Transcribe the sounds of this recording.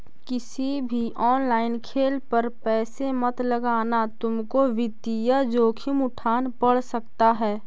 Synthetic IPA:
kɪsibʱiʔɔːnlaːɪnkʰeːlpəɾpɛːsemət̪ləɡaːnat̪ʊmkoʋɪd̪ijad͡ʒoːkʰɪmʊʈʰaːnpəɽsəkt̪aɦɛː

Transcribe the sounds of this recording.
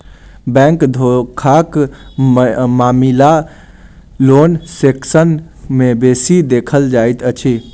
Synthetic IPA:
bɛ̃ŋkd̪ʱokʰak | mamila | lonseksən | mebesid̪ekʰəld͡ʒajt̪ət͡ʃʰi

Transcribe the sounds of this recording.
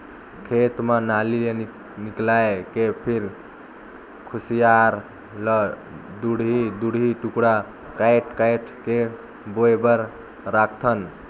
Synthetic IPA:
kʰet̪menalie | niklaekepʰiɾ | kʰusijaɾ | lə | d̪uɽid̪uɽɦiʈukɽa | kajʈʰkajʈʰke | boebəɾ | ɾakʰt̪ʰən

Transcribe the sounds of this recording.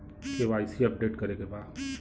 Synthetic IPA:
seʋaːisiɐp̚ɖeːʈkɐɾekebaː

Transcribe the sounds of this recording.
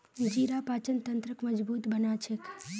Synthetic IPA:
ʋid͡ʒiɾapat͡ʃənt̪ənt̪ɾəkməd͡ʒbut̪bənat͡ʃʰek

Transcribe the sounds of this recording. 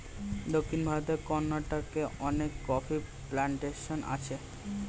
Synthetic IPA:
d̪okʰːinbʱaɾot̪eɾkɔnːaʈokeʔɔnekːɔfi | plaɳʈeʃonʔa̰t͡ɕʰe

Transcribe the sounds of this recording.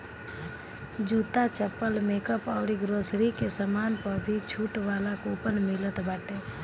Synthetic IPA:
d͡ʒut̪at͡ʃəpːəlmeːkəpɔːɾiɡɾoːsɾikesəmaːnpəɾbʱit͡ʃʰuːʈʋaːlakupənmɪlət̪baːʈe

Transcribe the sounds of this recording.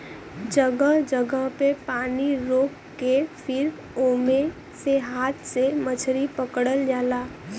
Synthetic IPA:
d͡ʒəɡəɦd͡ʒəɡəɦpepaːniɾoːk | kepʰɪɾ | oːmẽ | seɦaːt̪ʰsemət͡ʃʰɾipəkɽəld͡ʒaːlaː

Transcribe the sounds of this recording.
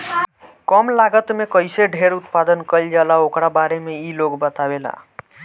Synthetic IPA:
kɔmlaɡət̪mekəjseɖʱeɾut̪pad̪ənkəld͡ʒalaokɾabaɾemeiloɡbət̪abela̰

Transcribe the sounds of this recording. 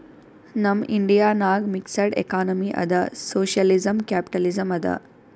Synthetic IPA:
nɐmiɳɖijaːnaːɡmiksɐɖḛkaːnɐmiʔɐ̰d̪ɐsoːʃjɐlizɐmkaːpi̥ʈɐlizɐmɐd̪ɐ̰

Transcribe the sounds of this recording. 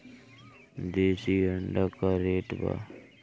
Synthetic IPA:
d̪eːsiəɳɖakaɾeːʈba̰

